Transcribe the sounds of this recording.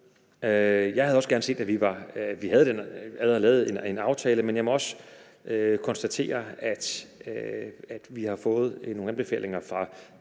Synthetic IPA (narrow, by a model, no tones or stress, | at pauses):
øjɑ̈ɪhæð̞̩ˠɒsɡ̥æɐnəse̝̰ːd̥æʋiʋɑ̈ʋiɦæð̞̩ˠəd̥enæðˠɐlɛ̰ːʊð̩ˠenenɑ̈ʊt͡sʰɛːləmenjɑɪmɒ̽ɒ̽sə | økʰɒ̽nsd̥æt͡sʰe̝̰ːɐæd̥ | æd̥ʋihɑ̈fɔ̽ːð̞̩ˠnoːŋ̩nænb̥e̝fɛ̰ːle̝ŋɐfʁɑ̈